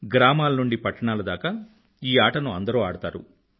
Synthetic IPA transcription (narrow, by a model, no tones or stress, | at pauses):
ɡɾaːmaːlɐnuɳɖipɐʈːɐɳaːlɐd̪aːkɐ | iːaːʈɐnuɐ̰nd̪ɐɾoːaːɽut̪aːɾṵ